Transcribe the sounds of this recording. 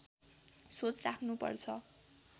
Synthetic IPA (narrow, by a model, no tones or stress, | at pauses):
sot͡srakʰnupʌ̰rt͡sʰʌ